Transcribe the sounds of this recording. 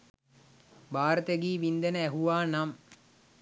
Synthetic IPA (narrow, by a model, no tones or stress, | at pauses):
baːɾət̪əɡiːʋind̪enəæɦuʋaːnam